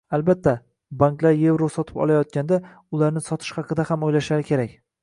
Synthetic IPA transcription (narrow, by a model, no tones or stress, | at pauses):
albat̪ʰːa | baŋklaɾje̞vɾosɒt̪ʰɪ̥pɒ̰lˠajɒt̪̚kʲand̪a | ʊlaɾnɪsɒt̪ʰɪ̥ʃhɑqɨd̪ahamojlaʃlaɾɪkʲʰe̞ɾakʲ